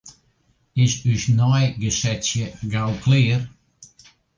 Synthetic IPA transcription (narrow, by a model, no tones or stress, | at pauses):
ɪsyʃnɔjɡəsɛtjəɡalˠkʰlɪːr